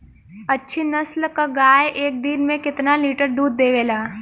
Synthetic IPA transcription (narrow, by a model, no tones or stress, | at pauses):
ɐtːʃʰinɐslkaɡaːjʔeːk̚d̪ɪnmẽkɪt̪naliːʈəɾd̪uːd̪ːeːʋeːlaː